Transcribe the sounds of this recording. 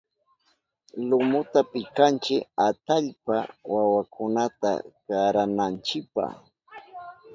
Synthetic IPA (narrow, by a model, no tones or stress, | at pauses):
lʊmʊt̪apɪkant͡ʃɪkat̪aʎpawawakʰʊnat̪a̰kaɾanant͡ʃɪk̚pa̰χ